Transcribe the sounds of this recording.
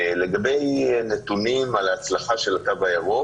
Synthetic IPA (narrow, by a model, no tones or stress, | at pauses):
le̞ɡabe̞jnet̪unimalaːt͡slaχaʃe̞latabajaʁo